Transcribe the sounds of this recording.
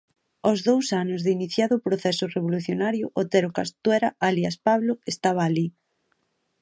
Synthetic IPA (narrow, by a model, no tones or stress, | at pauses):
ozðowsanʊzðɪiniθjaðʊpɾoθɛsʊreβ̞oluθjonaɾjʊʔot̪eɾokast̪wɛɾaʔaliaspaβlʊest̪aβ̞aːli